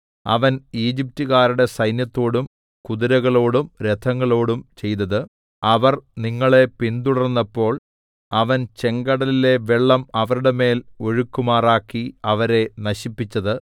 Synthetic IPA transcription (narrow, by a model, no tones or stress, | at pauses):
ɐ̰ʋɐniːd͡ʑip̚tuɣaːɾuɽe̞sɐjnjɐt̪ːo̞ːɽum | kuðiɾɐɣɐɭo̞ːɽumɾed̪ʰʱɐŋːɐɭo̞ːɽumt͡ɕe̞jt̪ɐðɨ | ɐʋɐrniŋːɐɭe̞pind̪uɽɐrnːɐpːo̞ːɭ | ɐʋɐnt͡ɕe̞ŋɡɐɽɐlile̞ʋeɭːɐmɐʋɐɾuɽe̞me̞ːlo̞ɻukːumaːraːkːiɐʋɐɾe̞nɐɕipːit͡ɕːɐðɨ